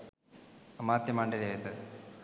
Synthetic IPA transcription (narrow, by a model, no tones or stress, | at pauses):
ɐmaːt̪jɐmaːɳɖɐlaːjɐt̪ːɨ